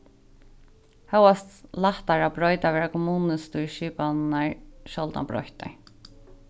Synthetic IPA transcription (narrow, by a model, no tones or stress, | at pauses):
hœwast̪laht̪aɹabɾɔjt̪aʋɛːɹakʰʊmuːnəst̪uɹʃiːpanaɹʃɔlt̪a̰bɾɔ̰jht̪a̰ɹ